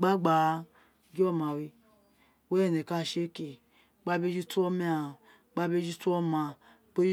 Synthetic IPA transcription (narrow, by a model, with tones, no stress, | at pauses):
ɡ͡ba˦ɡ͡ba˨˧ | ɡi˦o˦ma˨wi˧ | we˦˨ne˨ka˦˨ʃe˦ke˨ | ɡ͡ba˦be˦d͡ʒi˦tu˦o˦mi˦a˨ | ɡ͡ba˦be˦d͡ʒi˦tu˦o˦ma˨ | k͡pe˦i˦